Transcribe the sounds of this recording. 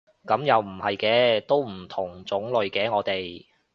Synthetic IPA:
kɐ˨˧˥mjɐ˨wm̩˨˩hɐ˨jkɛː˧˥t̪o˥wm̩˨˩t̪ʰʊ˨˩ŋt͡sʊ˨˥ŋlɵ˨ɥkɛː˨˥ŋɔː˨˧t̪e˨j

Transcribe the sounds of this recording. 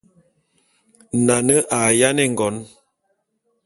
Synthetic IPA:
na˨nə˦ʔa˨ja˦nɛ˦˨ŋ˨ɡɔ˨˦n

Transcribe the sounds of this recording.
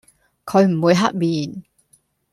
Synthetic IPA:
kʰɵ˨˧ɥm̩˨˩wuː˨˧jɦɐ˥t̚miː˨˩n

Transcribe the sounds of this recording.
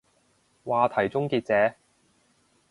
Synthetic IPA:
waː˨˧t̪ʰɐ˨˩jt͡sʊ˥ŋkiː˧t̚t͡sɛː˨˥

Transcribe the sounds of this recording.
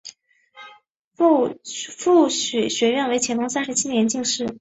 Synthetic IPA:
fu˥˩ɕɛ˨˩ɕɥɛ˧˥ɥɛ˥˩nwe˧˥ɪt͡ɕʰjɛ˧˥nʰ˧˥ŋsa˥nʂɻ̩˧˥t͡ɕʰi˥njɛ˧˥nt͡ɕi˥˧ŋʂɻ̩˥˩

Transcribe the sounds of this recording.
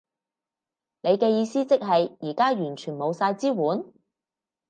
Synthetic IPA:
ne˨˧jkɛː˧jiː˨˧siː˥t͡sɪ˥k̚ɦɐ˨jiː˨˩kaː˥jyː˨˩nt͡ʃʰyː˨˩nmo˨˧wsaː˧jt͡siː˥wuː˨˥n

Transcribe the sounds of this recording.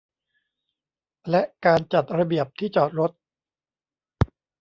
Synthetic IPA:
lɛ˦˥ʔkaː˧nt͡ɕa˨˩t̪̚ɾa˧bi˨˩əp̚t̪ʰiː˥˩t͡ɕɔː˨˩t̪̚ɾo˦˥t̪̚

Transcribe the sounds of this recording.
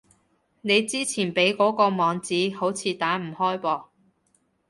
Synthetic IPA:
ne˨˧jt͡siː˥t͡sʰiː˨˩npe˨˥jkɔː˨˥kɔː˧mɔː˨˧ŋt͡siː˨˥ho˨˥wt͡sʰiː˨˧t̪aː˨˥m̩˨˩hɔː˥jpɔː˧

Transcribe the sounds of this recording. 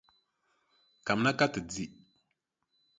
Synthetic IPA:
ka˨mna˦ka˦tɨ˨d͡zi˦

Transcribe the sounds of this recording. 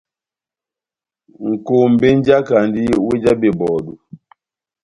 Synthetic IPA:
ŋ̩˨ko˨m̩˨be˦n˦d͡ʒa˦ka˨n˦di˦we˦d͡ʒa˦be˨bɔ˨du˨

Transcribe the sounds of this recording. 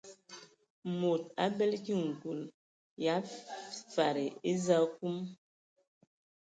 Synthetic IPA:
mo˨t̚a̰˦bɛ˦lki˦˨ŋ̩˨ku˨l | ja˨˦fa˨ɾe˨e˦za˦k̚u˦m

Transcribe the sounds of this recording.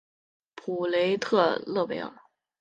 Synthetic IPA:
pʰu˨˩le˧˥ɪt̪ʰɤ˥˧lɤ˥˩pe˧˥ɪə̰˥˨˩

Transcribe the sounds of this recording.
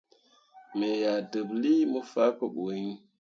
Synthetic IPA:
me˨ja˨də˨bli˦mə˦fa˦kə˦ɓu˨˦ŋ

